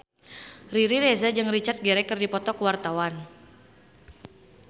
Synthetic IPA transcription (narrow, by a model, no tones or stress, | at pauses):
riɾiɾezad͡ʒɨŋrit͡ʃart̪̚ɡɛɾɛkɨrdipɔt̪ɔkəwart̪awan